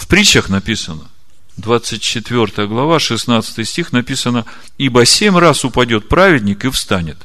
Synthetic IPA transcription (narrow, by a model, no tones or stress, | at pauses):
fpɾʲit͡ɕəxnɐpʲisənə | d̪vat̪sɨt̚ʲt͡ɕɪt̪vʲo̞rt̪əjəɡlˠɐvaʂɨsnat̪sɨ̥t̪ɨjsʲtʲixnɐpʲisənə | ibəsʲemʲrasʊpɐdʲo̞t̪̚pɾavʲɪdʲnʲɪkɨfst̪anʲɪt̪